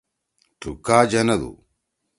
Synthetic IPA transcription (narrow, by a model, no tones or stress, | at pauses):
ʈṵkaːd͡ʑɐnɐd̪ṵ